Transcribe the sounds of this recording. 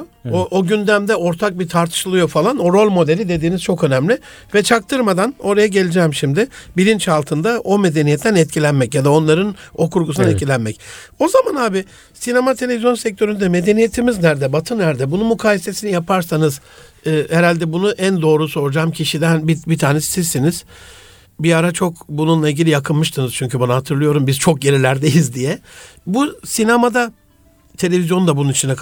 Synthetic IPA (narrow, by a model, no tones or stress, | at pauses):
oʔoɟynd̪æmd̪ɛo̞ɾt̪ʰak̚bit̪ʰaɾt̪ʰɯ̥ʃlˠɯjo̞falˠano̞ɾo̞lʲmo̞d̪e̞lʲid̪e̞d̪iːniz̥t͡ʃʰo̞kø̞næmlʲɪ | vɛt͡ʃʰak̚t̪ʰɯɾmad̪ano̞ɾajaɟe̞lʲid͡ʒɛːmʃimd̪ɪbiɾint͡ʃhalˠt̪ʰɯnd̪aʔo̞me̞d̪e̞nijɛt̪ʰːænɛt̪̚cʰilʲænmɛcjad̪ao̞nlˠaɾɯno̞kʰuɾɡusuanɛt̪̬cʰilʲænmɛco̞zamanhaːbɪ | sine̞mat̪ʰe̞lʲe̞vizjo̞nsɛc̚t̪ʰø̞ɾynd̪ɛme̞d̪e̞nije̞t̪ʰimiznæɾd̪ɛbat̪ʰɯnːæɾd̪ɛbununmukʰaːjese̞sinijapʰaɾsanɯz | ɯːheɾalʲd̪ɛbunuʔænd̪o̞ːɾuso̞ɾud͡ʒaːmcʰiʃid̪ænbibit̪ʰaːnɛssizːiniz̥ | biaɾat͡ʃʰo̞kbununlˠailʲɟʲilʲijakʰɯnmɯʃt̪ʰɯnɯz̥t͡ʃʰyɲʲcʰybanaɦat̪ʰɯɾlˠɯjo̞ɾumbizt͡ʃʰo̞k̚ɟe̞ɾilʲæɾd̪ejizd̪ijɛbusinamad̪a | t̪ʰe̞lʲe̞vʲizjo̞nd̪abununit͡ʃʰinɛkʰ